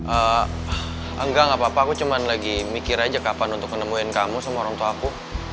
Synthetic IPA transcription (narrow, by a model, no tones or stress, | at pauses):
ʔə | əŋɡaŋapaːpaːkut͡ʃumanlaɡimikɪɾad͡ʒakapanunt̪ʊk̚mənəmuɪnkamusamaoɾaŋt̪uaku